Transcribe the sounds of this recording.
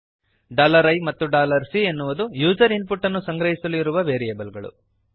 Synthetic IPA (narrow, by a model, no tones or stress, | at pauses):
ɖaːlɐɾɐjmɐt̪ːuɖaːlɐɾsienːuʋud̪ujuːd͡ʒɐɾinpuʈːɐnːusɐŋɡɾɐɦisɐluiɾuʋɐʋeːɾieːbɐlɡɐɭṵ